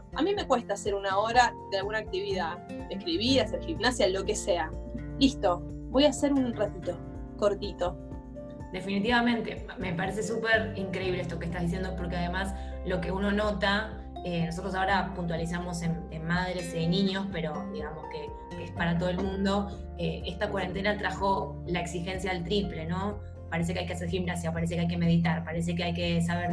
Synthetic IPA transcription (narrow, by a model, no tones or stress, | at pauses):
a̰mĩme̞kwe̞st̪aːseɾunao̞ɾadealɣunaːk̚t̪iβiðaehkɾiβiɾaseɾximnasjalo̞kesealist̪o̞ | bo̞jase̞ɾunret̪it̪o̞ | ko̞ɾt̪it̪o̞ | d̪e̞finit̪̬iβamẽ̞nt̪e̞ | mepaɾes̬e̞supeɾiŋkɾe̞iβleest̪o̞kest̪azðis̬jendoepo̞ɾkeaðe̞mas | lo̞ke̞uno̞no̞t̪a | enos̬ot̪ɾosao̞ɾapunt̪walis̬amo̞senenmað̞ɾe̞seniɲo̞spe̞ɾo̞d̪iɣamo̞ske̞ | kespaɾat̪oð̞elmũnd̪o̞ | eest̪akwaɾent̪̬e̞nat̪ɾʔaxo | laeksixe̞ns̬jalt̪ɾiple̞no̞ | paɾes̬ekeajkeaseɾximnas̬japaɾesekeajk̬e̞me̞ðit̪aɾpaɾes̬e̞keajke̞s̬aβeɾ